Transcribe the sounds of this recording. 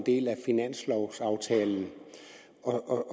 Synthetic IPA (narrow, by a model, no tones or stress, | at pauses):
nd̥e̝̰ːlæfinæn̰slɒʊsɑ̈ʊt͡sʰɛːln̩ | ɒ